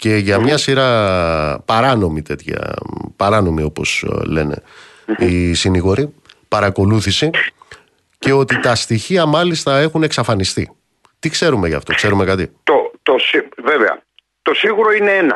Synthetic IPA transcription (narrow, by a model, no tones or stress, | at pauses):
ce̞ʝɐmɲɐsiɾɐ | pɐɾɐno̞mit̪e̞t̪çɐ̰pɐɾɐno̞mio̞po̞̰sle̞̰ne̞̰ | isiniɣo̞ɾipɐɾɐko̞luθisi | ce̞o̞t̪it̪ɐst̪içiɐmɐlist̪ɐe̞xune̞ksɐfɐnist̪i | t̪ikse̞ɾume̞jʝɐ̰ft̪o̞̰kse̞ɾume̞kɐt̪it̪ot̪osiveveɐ̰ | t̪o̞siɣuɾo̞ine̞enɐ̰